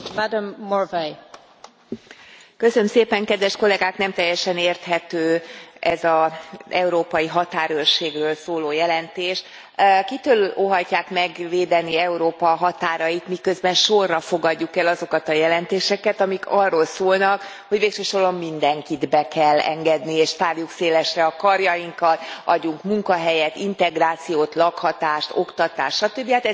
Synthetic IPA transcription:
mad̪amːorvɛj | kø̞sønømseːpɛŋkɛd̪ʋɛʃko̞lɛɡaːknɛmt̪ɛjɛʃɛneːrt̪hɛt̪øːʔɛzɒɛuɾoːpɒjiɦɒt̪aːɾørʃeːɡrøːlsoːloːjɛlɛnt̪eːʃ | kit̪øːloɦɒcːaːkmɛɡʋeːd̪ɛniɛuɾoːpɒɦɒt̪aːɾɒjit̪mikø̞zbɛnʃo̞rːɒfo̞ɡɒɟːukɛlɒzo̞kɒt̪ɒjɛlɛnt̪eːʃɛkɛt̪ɒmikʰɒrːolsoːlnɒk | hoɟveːkʃøʃo̞ɾomːind̪ɛŋkid̪bɛkɛlːɛ̰ŋɡɛd̪nieːʃt̪aːrjukseːlɛʃrɛɒkɒrjɒjiŋkɒt̪ɒɟːuŋkmuŋkɒɦɛjɛt̪int̪ɛɡraːt̪sijoːt̪lɒkhɒt̪aːʃt̪o̞̰kt̪ɒt̪a̰ːʃtʃɒt̪øbːiat̪ɛ

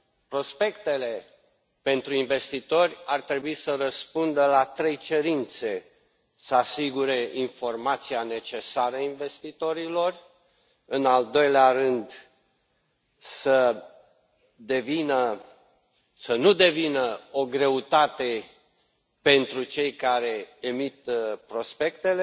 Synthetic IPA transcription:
pɾo̞spe̞kt̪e̞le̞ | pe̞nt̪ɾuinve̞st̪it̪o̞rʲart̪ɾe̞buisərəspund̪əlat̪ɾe̞jt͡ʃe̞ɾint̪se̞ | səasiɡuɾe̞ʔinfo̞rmat̪siane̞t͡ʃe̞saɾəainve̞st̪it̪o̞ɾilo̞r | ɨnald̪o̞jleaɾɨnd̪ | sə | d̪e̞vinə | sənud̪e̞vinəo̞ɡɾe̞ut̪at̪e̞ | pe̞nt̪ɾut͡ʃe̞jkaɾe̞emit̪pɾo̞spe̞kt̪e̞le

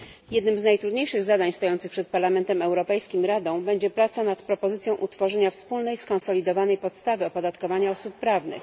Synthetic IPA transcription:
jɛd̪nɘmznajt̪ɾud̪ɲejʂɘɣzad̪aɲst̪ɔjɔnt̪sɘxpʂɛt̪̚paɾlamɛnt̪ɛmɛwɾɔpɛjskʲimɾad̪ɔ̃w̃bɛɲd͡ʑɛpɾat̪sanat̪pɾɔpɔzɘt̪sʲjɔ̃w̃ʔut̪fɔʐɛɲafspulnɛjskɔ̃ñsɔlʲid̪ɔvanɛjpɔt̪st̪avɘɔpɔd̪at̪kɔvaɲaɔsupːɾavnɘ̰x

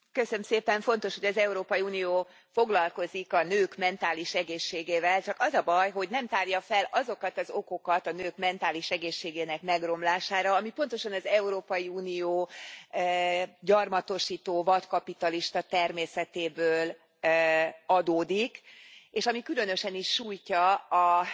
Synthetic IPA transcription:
køsøømseːpɛɱfo̞nt̪o̞ʃho̞ɟɒzɛuɾoːpɒjiuːnijoː | fo̞ɡlɒlko̞zikɒnøːkmɛnt̪aːliʃɛɡeːʃːeːɡeːvɛlt͡ʃɒkɒzɒbɒjɦo̞ɟnɛmt̪aːrjɒfɛlɒzo̞kɒt̪ɒzo̞ko̞kɒt̪ɒnøːkmɛnt̪aːliʃɛɡeːʃːeːɡeːnɛkmɛɡro̞mlaːʃaːɾɒɒmipo̞nt̪o̞ʃɒnɒzɛuɾoːpɒjiuːnijoː | ɟɒrmɒt̪o̞ʃiːt̪oːvɒt̪kɒpit̪ɒliʃt̪ɒt̪ɛrmeːsɛt̪eːbøːl | ɒd̪oːd̪ikeːʃɒmikylø̞nø̞ʃɛniʃːuːjcɒɒ

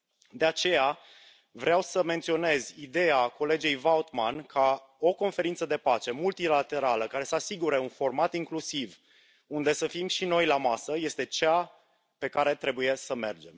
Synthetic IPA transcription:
d̪e̞at͡ʃe̞ja | vɾeawsəme̞nt̪sio̞ne̞zʲid̪e̞ako̞le̞d͡ʒe̞jvaot̪mankʰa | o̞ko̞nfe̞ɾint̪səd̪e̞pat͡ʃe̞mult̪ilat̪e̞ɾaləkaɾe̞səasiɡuɾe̞unfo̞rmat̪iŋklusiv | und̪e̞səfimʃino̞jlamasəje̞st̪e̞t͡ʃa | pe̞kaɾe̞t̪ɾe̞buje̞səme̞̰rd͡ʒe̞m

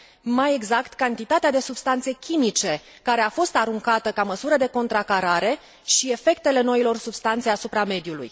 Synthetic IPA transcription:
maje̞ɡzakt̪kant̪it̪at̪ead̪e̞subst̪ant̪se̞kʲimit͡ʃe̞ | kaɾe̞afo̞st̪aɾuŋkat̪əkaməsuɾəd̪e̞ko̞nt̪ɾakaɾaɾe̞ | ʃie̞fe̞kt̪e̞le̞no̞ilo̞rsubst̪ant̪seasupɾame̞d̪julṵj

